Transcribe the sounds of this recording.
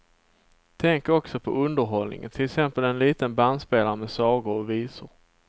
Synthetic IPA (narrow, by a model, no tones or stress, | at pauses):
t̪ʰɛŋkɔksɔpʰɔ̰ɵnd̪əɾɦɔlnɪ̰ŋə̰nt̪ʰɪləksɛmpəlɛnliːt̪ənband̪speːlaɾəmɛsɑːɡʊɾɔviːsʊɾ